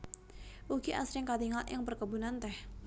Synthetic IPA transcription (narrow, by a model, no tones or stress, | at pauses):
ʔuɡiʔa̰sɾɪŋkat̪iŋalɪ̰ŋpərkəbunant̪ɛh